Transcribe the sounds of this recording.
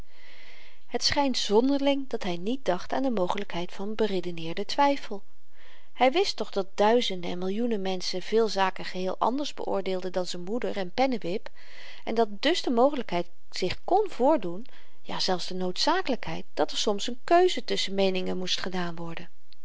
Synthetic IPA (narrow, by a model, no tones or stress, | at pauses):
ɦətsχɛjntz̥ɔndəɹlɪŋdɑtɦɛjnit̚d̥ɑχtaːndəmowχələkɦɛjtfɑnbəredənɪːɹdətʋɛjfəlˠ | hɛjʋɪstɔχdɑt̚d̥œɥzəndəɛ̰nmɪlˠjunəmɛnsəv̥ɪːlˠzaːkəχəɦɪːlˠʔɑ̰ndəɹzbə̰ʔʊ̰ːɹdɪːlˠdədɑnzənmudəɹɛnpɛnəʋɪp | ʔɛ̰ndɑt̚dɵzdəmowχələkɦɛjt | z̥ɪχkɔnv̥ʊːɹdun | ja̰ːz̥ɛlˠfsdənowtsaːkələkɦɛ̰jt̚d̥ɑtəɹsɔmsənkøɥzətɵsənmejnɪŋəmustχədaːnʋɔɹdən